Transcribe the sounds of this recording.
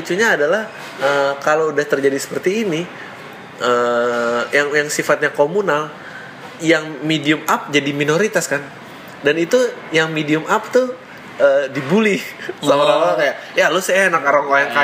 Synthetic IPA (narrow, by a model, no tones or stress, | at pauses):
it͡ʃuɲaːdalah | əkaloudaht̪ərd͡ʒadisə̥pərt̪iːni | ʔə | jaŋjaŋsifat̪̚ɲakomunal | jaŋmediʊmap̚d͡ʒadiminoɾit̪askan | danit̪ujaŋmediʊmʔap̚t̪u | ʔəːdibulisaalalakaja | jalosajanakaɾaŋaaŋka